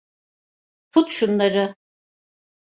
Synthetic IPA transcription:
pʰut̪ʃunlˠaɾɯ

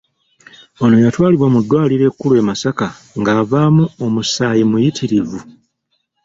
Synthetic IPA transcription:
ono̞jatwaːliβwamudːwaːliɾe̞ːkːulue̞ːmasaka | ŋɡaːvaːmuomusaːjimujitʰiɾivu

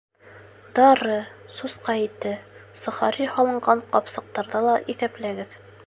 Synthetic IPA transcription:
d̪ɑɾɤsusqɑit̪ːɘsŏχɑɾihɒlˠɤ̆ɴɢɑɴqɒpsɤ̆q̚t̪ɑɾðɑlˠɑʔiθæplæɡɘð

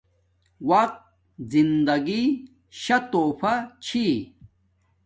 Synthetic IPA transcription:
wɐq̚t̪̚ | zind̪ɐɡi | ɕɐt̪oːpʰat͡ɕʰi

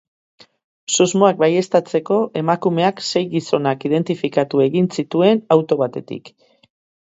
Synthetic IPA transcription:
sozmo̞ak̚baje̞st̪at͡se̞ko̞ʔe̞makume̞akse̞jɣiso̞nakiðe̞nt̪ifikat̪ue̞ɣinsit̪ue̞nawt̪o̞β̞at̪e̞t̪ḭk

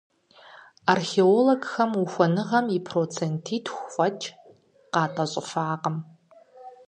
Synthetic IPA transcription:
arxeːoːloɡxɐmuxʷɐnɨʁɐmipʰroːt͡sʰentʰiːtʰxʷfʷʼɐt͡ʃʼ | qɑːtʼɐɕʼɪfaːqəm

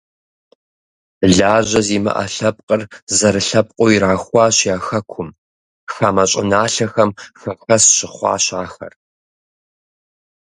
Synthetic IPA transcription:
ɮaːʑɐziːmɨ̰ʔɐ̰ɬɐp̚ʼqʼərzɐɾɨɬɐp̚qʷʼoiɾaːxʷɑːɕjaːxɐkʷʰʊm | xaːmɐɕʼɪnaːɬɐxɐmxɐxɐsɕɪχʷɑ̰ːɕaːxɐ̰r

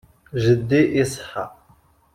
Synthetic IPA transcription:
ʒɪd̪iʔisħa̰

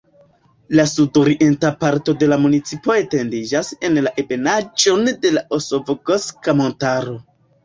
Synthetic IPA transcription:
lasudo̞ɾiʔentapaɾto̞de̞lamunit͡sipo̞e̞te̞ndid͡ʒase̞nlaʔebe̞nad͡ʒo̞nde̞laʔosovo̞ɡoskamo̞ntaɾo̞

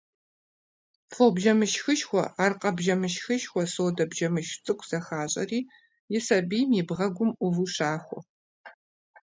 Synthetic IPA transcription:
fobʒɐmɨʃxɨʃxʷɔ̰aːrqʼɐbʒɐmɨʃxɨʃxʷɔsoːdɐbʒɐmɨʃt͡sʼɨkʷʰʼz̥ɐxaːɕʼɐ̰riː | jɪsɐbiːmibʁɐɡʷʊmʔʊvuʃaːxʷɔ̰

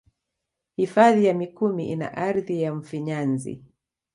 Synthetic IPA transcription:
hifaðijamikumiʔina̰ʔaɾðijaɱ̩fiɲanzḭ

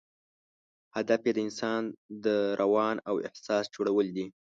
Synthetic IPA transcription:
had̪afjed̪əɪnsɑnd̪əɾʔawɑnawɪ̰hsɑsd͡ʒoɽawəld̪i

